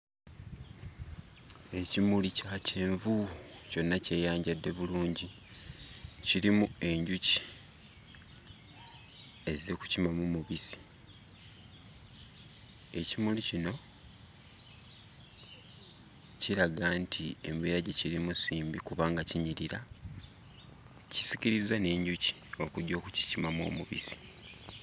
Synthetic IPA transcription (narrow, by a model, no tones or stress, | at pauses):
e̞cimulicacʰe̞ːɱvu | co̞nːace̞ːjaːɲɟadːe̞βuluːɲɟi | ciɾimue̞ɲɟuci̥ | e̞ze̞ku̥cimamumuβisi̥ | e̞cimulicino̞ | ciɾaɡaːntʰie̞̰mbeːɾaɟeciɾimusiːmbikuβaːŋɡaciɲiɾiɾa | ci̥siciɾizane̞ːɲɟuci̥o̞kuɟo̞ːku̥ci̥cimamo̰ːmuβḭsi̥